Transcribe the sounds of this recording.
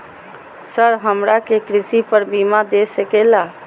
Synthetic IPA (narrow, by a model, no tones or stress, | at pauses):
səɾɦəmɾakekɾɪsipəɾbimad̪esəkela